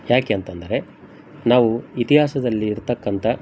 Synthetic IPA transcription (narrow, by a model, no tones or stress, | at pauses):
jaːke̞ːnt̪ɐnd̪ɐɾe̞ | naːʋuit̪iɦaːsɐd̪ɐlːiːɾt̪ɐkːɐnt̪ɐ